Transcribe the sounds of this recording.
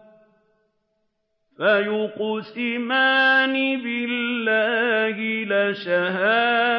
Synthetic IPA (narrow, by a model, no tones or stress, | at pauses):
fajʊqsɪmaːnibɪlːaːhɪlaʃahaː